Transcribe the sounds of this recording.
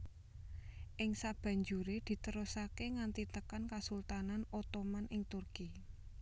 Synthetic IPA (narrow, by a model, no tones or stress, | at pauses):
ʔɪŋsab̥ä̤ɲd͡ʒuɾed̪̥i̤t̪əɾusakeŋant̪it̪əkankasult̪ananot̪omanʔɪŋt̪urki